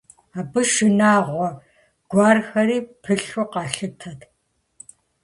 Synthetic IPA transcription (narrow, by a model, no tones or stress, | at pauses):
aːbɨʃɨnaːʁʷɔ | ɡ̥ʷaːrxɐɾiːpʰɨɬɔqɑːɬɨtʰɐt